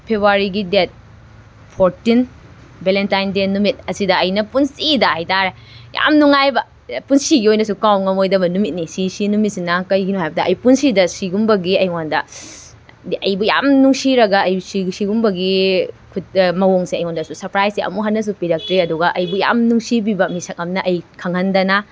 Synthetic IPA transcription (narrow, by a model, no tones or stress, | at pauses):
pʰebuaɾiɡidet̚ | pʰoɾtin | belentajndenːumit̚ɐsidɐɐjnɐpunsidɐhɐjtaɾe | ja̰mnuŋajbɐ | punsiɡiojnɐsukawŋɐmojdɐbɐnumit̚nisisinumit̚sinakɐjɡinuɦajbɐdɐʔɐjpunsidɐsiɡumbɐɡiɐjŋondɐ | ɐjbuja̰mnuŋsiɾɐɡɐːjsisiɡumbɐɡi | kʰutmɐwoŋseɐjŋondɐsusɐɾpɾajseɐ̰muɦɐnːɐs̬upiɾɐk̚tɾiɐduɡɐʔɐjbuja̰mnuŋsibibɐmisɐk̚ɐmnɐʔɐjkʰɐŋɐndɐnɐ